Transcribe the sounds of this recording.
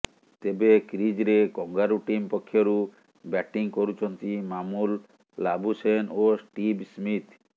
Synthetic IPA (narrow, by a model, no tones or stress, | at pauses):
t̪ebekɾid͡ʒɾekɔŋɡaɾuʈimpɔkʰːjoɾu | bɛʈiŋkoɾut͡ʃʰɔnt̪imamulː | abusenosʈibsmit̪